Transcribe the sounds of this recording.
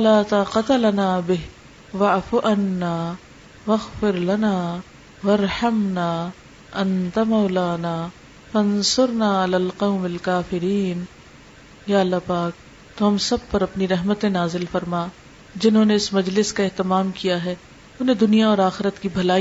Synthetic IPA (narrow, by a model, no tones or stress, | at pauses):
laːt̪aqɐt̪ɐlɐnaːbɪɦ | ʋɐʕfʊʔɐnːaː | ʋɐɣfɪɾlɐnaː | wɐɾħɐmnaː | ʔɐ̃nt̪amɐwlaːnaː | fɐnsʊɾnaːɪlaːlqɐʊmɐlkaːfɪɾiːn | jaːɐlːapaːk̚ | t̪oɦɐmsɐb̚pɐɾɐpniɾɐɦmət̪ẽnaːzɪlfɐɾmaː | d͡ʒɪnɦõːneɪsmɐd͡ʒlɪskaɛɦt̪ɪmaːmkijaɦɛː | ʊnɦẽd̪ʊnijaɔːɾaːxɪɾət̪kibʱɐlaː